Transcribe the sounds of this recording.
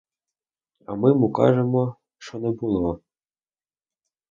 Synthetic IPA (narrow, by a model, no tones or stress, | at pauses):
ɐ̰mɪmukɑ̰ʒɛmɔ | ʃɔnɛbulˠɔ